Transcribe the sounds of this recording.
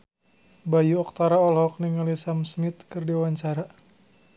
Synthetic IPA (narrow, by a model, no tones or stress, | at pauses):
bajuɔk̚t̪aɾaɔlɔɦɔk̚niŋalisamsnit̪kɨrdiwaɲt͡ʃaɾa